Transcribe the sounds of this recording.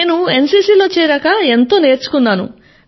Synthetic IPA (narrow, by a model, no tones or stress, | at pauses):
eːnue̞nsiːsiːlo̞ːt͡ʃɛːɾaːkaent̪o̞ːne̞ːɾt͡ʃu̥kunːaːnṵ